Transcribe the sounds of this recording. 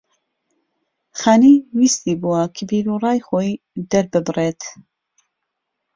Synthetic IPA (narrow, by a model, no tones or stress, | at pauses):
xaːniːwiːst̪iːbuwɐkʰəbiːɾurɑːjxoːj | d̪ɐɾbɨbreːt̪